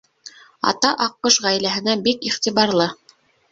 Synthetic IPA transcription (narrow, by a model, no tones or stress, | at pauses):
ɑ̰t̪ɑʔɑqːɤʃʁæjlæɦɘ̆næbikiχt̪iβɑɾlˠɤ